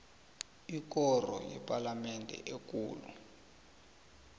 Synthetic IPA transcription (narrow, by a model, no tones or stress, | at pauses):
ik̬ɔrɔ̰jɛ̰pʼalamɛndʱɛ̰ʔek̬ʼuːlṵ